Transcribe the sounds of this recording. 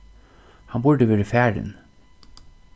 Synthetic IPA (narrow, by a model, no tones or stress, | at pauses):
hɑnbʊɹɖ̪əʋeːɹəfæːɾə̰n